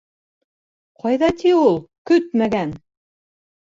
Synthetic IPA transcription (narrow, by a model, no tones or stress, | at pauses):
qʰɑjðɑt̪ʰiulˠkɵt̪mæɡæn